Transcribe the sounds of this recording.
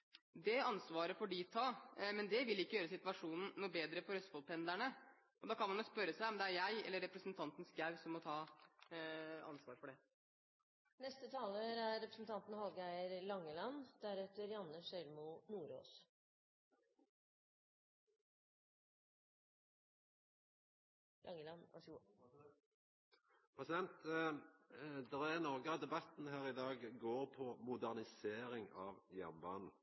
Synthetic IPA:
d̪ɛɑnsʋɑːɾəfɔɖit̪ʰɑːmɛnd̪ɛʋɪlɪkːəjøːɾəsɪt̪ʋɑʂuːnn̩ːuːbeːd̪ɾəfɔɾhœst̪fɔlpʰɛnd̪æɳə | ʔɔd̪ɑːkʰɑnmɑnɔspœɾəsæɪɔmd̪ɛæɾjæɪɛ̰lːəɾːɛpɾəsnt̪ʰɑnt̪n̩sɡæʋsɔmːɔt̪ʰɑː | ɑ̰nsʋɑ̰ːɾfɔɖɛ | nɛst̪ət̪ʰɑːləɾæɾːɛpɾəsn̩t̪ʰɑnt̪n̩hɑlɡæɪəɾlɑŋːəlɑnd̪̥æɾɛt̪əɾjɑnːəsœʏɾmʊnuːɾo̰ːs | lʔɑŋəlɑn | pʰʁɛsɪd̪ɛnt̪ | d̪ɛʁæʁnɔʁɡəɑd̪ɛbɑt̪n̩ɦæːʁɪd̪ɑːɡɡoːɾpʰɔmʊd̪æʁnɪseːɾɪŋɑʋjæʁnbɑːnn̩

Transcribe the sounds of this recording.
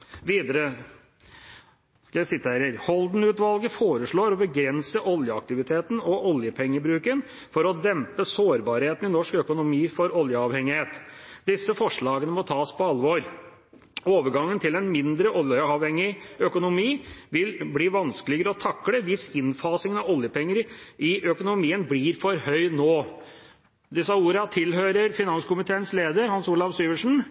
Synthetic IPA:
ʋiːd̪əɾə | kɑsɪt̪ːəæːɾɪɾhɔld̪n̩ʉːt̪ʋɑlɡəfoːɾəʂɭoːɾɔbəɡɾɛnsəʔɔljəɑk̚t̪ɪʋɪt̪ʰeːt̪n̩ɔʔɔljəpʰɛŋːəbɾʉːkən | fɔɾɔd̪ɛmpəsoːɾbɑːɾheːt̪n̩ɪnɔʂkœkʊnʊmiːfɔɾɔljəɑːʋhɛŋɪheːt̪d̪ɪsːəfɔʂɭɑːɡənəmɔt̪ʰɑːspʰɔɑlʋoːɾ | oːʋəɾɡɑŋːənt̪ʰɪlɛnmɪnd̪ɾəʔɔljəɑʋhɛŋɪœkʊnʊmiːʋɪlbliːʋɑnskəlɪɡəɾəɔt̪ʰɑkːɽəʋɪsɪnfɑːsɪŋɑʋɔljəpʰɛŋːəɾʔɪʔœkʊnʊmiːənbliːɾfɔɾhœʏnoː | d̪ɪsɑuːɾɑt̪ʰɪlɦøːɾəɾfɪnɑnskʊmɪt̪ʰeːənsleːd̪əɾhɑnsuːlɑʋsyːʋəʂɳn̩

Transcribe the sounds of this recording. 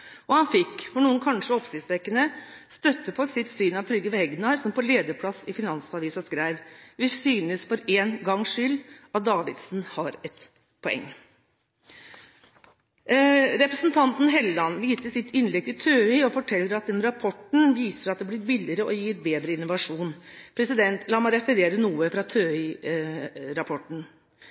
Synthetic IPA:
ʔɔhɑnfɪkːfɔɳuːənkʰɑnʂəɔpsɪsʋɛkːənəst̪œt̪ːəpʰɔsɪt̪syːnɑʋt̪ʰɾʏɡəʋɛɡnɑɾsɔmpʰɔleːd̪əpʰlɑsɪfɪnɑnsɑʋiːsɑskɾæɪʋʋɪsyːnəsfɔɾeːnɡɑŋːʂʏlːɑt̪̚d̪ɑːʋɪd̪sn̩hɑɾɛt̪ | pʰɔɛ̰ŋː | ɾɛpɾəsnt̪ʰɑnt̪n̩ɦɛlːɑnʋiːsəsɪt̪ɪnlɛɡ̚t̪ʰɪt̪ʰøːʏɔfɔʈʰɛlːəɾɑt̪̚d̪ɛnɾɑpʰɔʈɳ̩ʋiːsəɾɑt̪d̪ɛːblɪɾbɪlɪɾəʔɔjiːɾbeːd̪ɾəɪnːʊʋɑʂuːn | pʰɾɛsɪd̪ɛnt̪ʰlɑːmæɪɾɛfəɾeːɾənuːəfɾɑt̪ʰøːʏ | ɾɑpʰɔʈɳ̩

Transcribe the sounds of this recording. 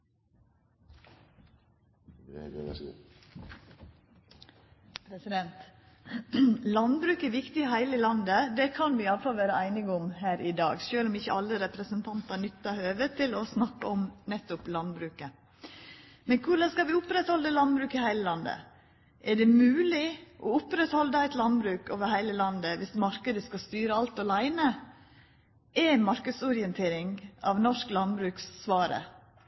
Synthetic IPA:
pʰɾɛsɪd̪ɛnt̪ | lɑnbɾʉːkɛʋɪkt̪ɪɦæɪləlɑnd̪əd̪ɛkʰɑnʋɪjɑləfɑlʋæːɾəæɪnɪɡʊmhæːɾɪd̪ɑ̰ːɡʃøːlɔmɪçəɑlːəɾɛpɾəsənt̪ʰɑnt̪ɑnʏt̪ːɑhøːʋət̪ʰɪlɔsnɑkːəɔmnɛt̪ːʊplɑnbɾʉːkə | mɛnkʰʊɖɑnskɑʋɪʊpɾɛt̪hɔld̪əlɑnbɾʉːkɪhæɪləlɑnd̪ə̰ | ʔɛɖɛmʉːlɪʔɔʊpɾɛt̪hɔld̪əæɪt̪lɑnbɾʉːkoːʋəɾhæɪləlɑnd̪əʋɪsmɑɾkəd̪əskɑst̪yːɾəɑlt̪ɔlæɪnə | ʔɛmɑɾkəd̪sɔɾɪɛnt̪ʰeːɾɪŋɑ̰ʋnɔʂklɑnbɾʉːksːʋɑːɾə̰

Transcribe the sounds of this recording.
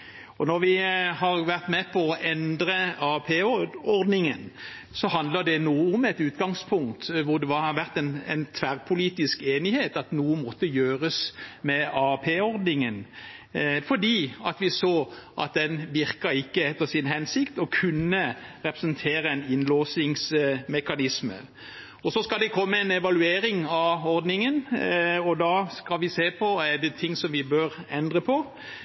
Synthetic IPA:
ɔnɔɾʋɪhɑʁʋæʁt̪mɛpʰɔɔʔɛnd̪ɾəɑpʰeːɔɾd̪nɪŋən | sɔhɑnd̪ləd̪ɛnuːəʊmɛt̪ʉːt̪ɡɑŋspʰʊŋkt̪ʋʊʁd̪ɛʋɑɑʋæʁt̪ɛnɛnt̪ʰʋæʁpʰʊliːt̪ɪskeːnɪheːt̪ɑt̪nuːənmɔt̪ːəjøːɾəsmɛɑpʰeːɔɾd̪nɪŋən | fɔd̪iːɑ̰t̪ʋɪsoːʔɑ̰t̪̚d̪ɛnʋɪʁkəɾɪkːəɛt̪ːəsɪnɦɛnsɪkt̪ɔkʰʉnːəɾɛpɾəsənt̪ʰeːɾəɛnɪnloːsɪŋsmɛkɑnɪsmə̰ | ɔsɔskɑld̪ɛkʰɔmːəɛnɛʋɑlʉeːɾɪŋɑɔɾd̪nɪŋənɔd̪ɑːskɑlʋɪseːpʰɔɛɖɛt̪ʰɪŋsɔmʋɪbøːɾɛnd̪ʁəpʰɔ

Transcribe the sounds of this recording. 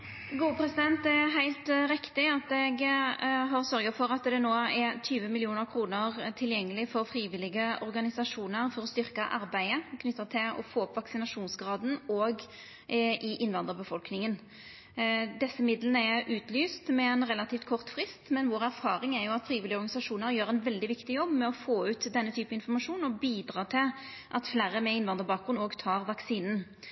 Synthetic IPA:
ɡuːəpʰɾɛsɪd̪ɛnt̪ɛɦæɪlt̪ɾɪkt̪ɪɑt̪ɛɡ | ɦɑʁsœɾɡəfɔɾɑt̪d̪ɛnoːæt̪ʰyːʋəmɪlɪuːnəɾkʰɾuːnəʁt̪ʰɪljɛŋːəlɪfɔɾfɾiːʋɪlɪɡəɔɾɡɑnɪsɑʂuːnəɾfɔɾɔst̪ʏɾkəʔɑɾbæɪəkʰnʏt̪ːət̪ʰɪlɔ̰foːɔpʋɑksɪnɑʂuːnsɡɾɑːd̪n̩oːɡ | ʔɪʔɪnʋɑnd̪əʁbəfɔlknɪŋən | d̪ɛsːəmɪd̪lənəɛɾʉːt̪lyːst̪mɛɛnʁɛlɑt̪iːft̪kʰɔʁt̪fʁɪst̪mɛnʋoːʁæɾfɑːɾɪŋæɾjʊɑt̪fɾiːʋɪlɪɔɾʁɡɑnɪsɑʂuːnəɾjøːɾɛnʋɛld̪ɪʋɪkt̪ɪjɔbːmɛɔfoːʉːt̪d̪ɛnːət̪ʰyːpəɪnfɔʁmɑʂuːnɔbiːd̪ɾɑːt̪ʰɪl | ʔɑt̪flæːɾəmɛɪnʋɑnd̪əɾbɑːk̚ɡɾʉnoːɡt̪ʰɑːʁʋɑksiːnn

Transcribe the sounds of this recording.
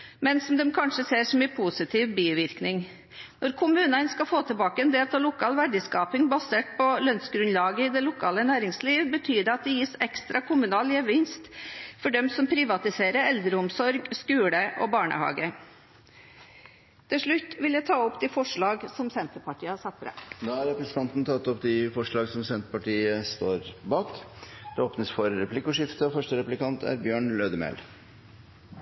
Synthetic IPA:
mɛnsɔmd̪ɛmkʰɑnʂəseːɾʂɔmɪpʰuːsɪt̪ʰiːʋbiːʋɪɾknɪŋ | nɔɾkʰʊmʉːnənskɑfoːt̪ʰɪlbɑːkəɛnd̪eːlt̪ʰɑlʊkʰɑːlʋæɖɪskɑːpɪŋbɑseːʈ̚pʰɔlœnsɡɾʉnlɑːɡəɪd̪ɛlʊkʰɑːlənæːɾɪŋsliːʋbət̪ʰyːd̪əɑt̪̚d̪ɛjiːsɛkst̪ɾʔɑkʰʊmʉnɑːlɪəʋɪnst̪fɔɖɛmsɔmpʰɾɪʋɑt̪ɪseːɾəɾɛld̪ɾəʊmsɔɾɡskʉːləʔobɑːɳə̰hɑ̰ːɡə | t̪ʰɪlʂɭʉt̪ːʋɪljæɪt̪ʰɑːɔpd̪ɪfɔʂɭɑːɡsɔmsɛnt̪əpɑʈʰiːəhɑsɑt̪fɾæ̰noːæɾɛpɾəsə̥t̪ɑnt̪n̩t̪ʰɑt̪ːɔpd̪ɪfɔʂɭɑːɡsɔmsɛnt̪əpɑʈiːəst̪oːɾbɑːkd̪̥ɛoːpnəsfɔɾːɛplɪkːʊʂɪft̪əɔfœʂʈəɾɛplɪkɑnt̪ʰæ̰ɾbjøːɳløːd̪əmɛ̰l

